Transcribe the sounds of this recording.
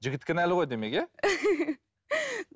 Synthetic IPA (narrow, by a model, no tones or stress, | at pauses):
ʒɪɡʲɪt̪̚kʲɪnælɪʁo̞jd̪emeɡʲe